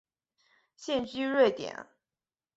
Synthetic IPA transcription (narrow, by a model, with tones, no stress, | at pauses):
ɕjɛ˥˩nt͡ɕy˥ɻwe˥˩ɪt̪jɛ̰˨˩˦n